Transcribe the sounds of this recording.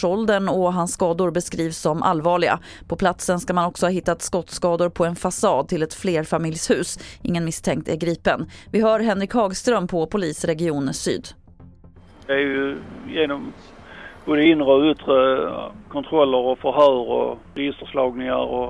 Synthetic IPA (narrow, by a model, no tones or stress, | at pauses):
ɔld̪ənɔɦansːkɑːd̪ʊɾbɛskɾiːvsːɔmʔa̰lːvɑːɭɪɡa̰ | pʰɔpʰlat̪sənskamanɔksɔhɑːɦɪt̪ːat̪skɔt̪skɑːd̪ʊɾpʰɔɛnfasɑːd̪̚t̪ʰɪlɛt̪fleːɾfamɪljshʉ̟ːsʔɪ̰ŋːənmɪst̪ʰɛŋk̚t̪æɾɡɾiːpənvɪɦœːɾɦɛnːɾɪkhɑːɡst̪ɾœmpʰɔpʰʊliːsɾɛɡɪuːnəsy̰ːd̪ | d̪ɛæjʉjeːnɔm | b̥oːd̪əɪnɾəɵt̪ɾəkʰɔnt̪ʰɾɔlːəɾɔfœɾɦœːɾɔ̰ɾɛjɪst̪əɾslɑːɡnɪŋa̰ɾɔ